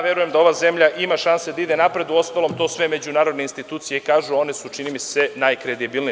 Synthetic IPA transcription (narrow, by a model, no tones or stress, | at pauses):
ʋjeɾujemd̪ao̞ʋaze̞mʎaʔimaʃansed̪aid̪e̞napɾe̞d̪uo̞st̪alˠo̞mt̪o̞ːsʋe̞me̞d͡ʑunaːɾo̞d̪neinst̪it̪uːt̪sijeikaːʒuo̞ne̞sut͡ʂinimisenaːjkɾe̞d̪ibilni